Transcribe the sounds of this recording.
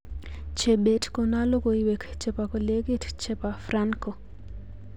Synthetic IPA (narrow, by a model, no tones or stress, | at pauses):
t͡ʃebetkonalokoiwekt͡ʃepakoleɡitt͡ʃepafraŋko